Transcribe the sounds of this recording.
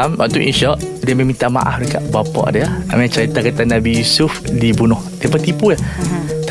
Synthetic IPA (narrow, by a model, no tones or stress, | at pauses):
mwa̰ʔt̪uʔḭnʃɔʔdiəmemĩnt̪ama̰ʔa̰hduka̰ʔbapɔ̰ʔdiəa̰mɛ̃t͡ʃaɾit̪akat̪anabijusufdibunʊhdiəpət̪ipujaht̪